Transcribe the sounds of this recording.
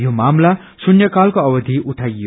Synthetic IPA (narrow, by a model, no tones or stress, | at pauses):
jomamla | sunjʌkalkoʌbʌd̪ʱiʔuʈʰajːo